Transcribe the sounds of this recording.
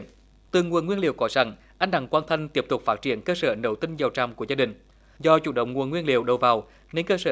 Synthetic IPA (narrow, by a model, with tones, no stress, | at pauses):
t̪ɨ˨˩ŋu˨ənwi˧ənlḭ˧˨əwkɔ˨˦sa˧˩ŋ | ʔa˧jŋ̟ɗa̰˧˩ŋkwaː˧nt̪ʰə˧ŋ̟t̪i˦˥əp̚t̪ʊ˨˩k͡p̚faː˦˥t̚t͡ɕi˧˩ənkəː˧səː˧˩nə˨˦wt̪ï˧ŋ̟zə˨˩wt͡ɕa˨˩wŋ͡mku˧˩əzaː˧ɗï˨˩ŋ̟ | zɔ˧t͡ɕṵ˧˩ɗə̰˧˨wŋ͡mŋu˨˩ənŋwi˧ənlḭ˧˨əwɗə˨˩wvaː˨˩w | ne˧nkəː˧səː˧